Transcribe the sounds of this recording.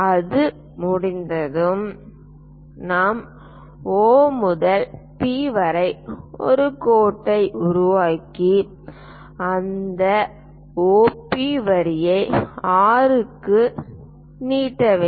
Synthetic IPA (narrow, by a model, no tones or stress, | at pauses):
ɐðɯ | mʊɽɪnd̪ɐðɯm | naːm | oːmʊðɐlpiːʋɐɾɐɪɔ̰ɾɯkoːʈːɐɪʔʊɾʊʋaːkːi | ɐnd̪ɐ | oːpiːʋɐɾɪjɐɪaːɾɯkːɯ | niːʈːɐʋeː